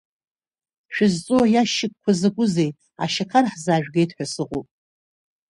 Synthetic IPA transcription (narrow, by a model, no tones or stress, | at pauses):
ʃᶣʊzt͡sʼuajaʃɪk̚kʷʰazaɡʷʊzej | a̰ʃakʰarħzaːʒᶣɡʲejtʰʼħʷᶣasɨqʼo̰pʼ